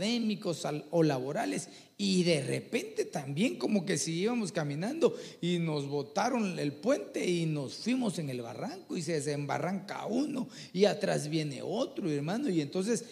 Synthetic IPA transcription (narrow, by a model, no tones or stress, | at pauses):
ðe̞miko̞saolaβo̞ɾale̞s | iðe̞re̞̰pe̞nt̪e̞t̪ambje̞ŋko̞mo̞ke̞siiβamo̞skamĩnãnd̪o̞ino̞zβo̞t̪aɾo̞nelpwe̞nt̪e̞ino̞sfwimo̞se̞ŋe̞lβa̰raŋkois̬ees̬emba̰raŋka̰uno̞ | iat̪ɾazβje̞ne̞̰o̞t̪ɾoeɾmano̞ie̞nt̪o̞nse̞s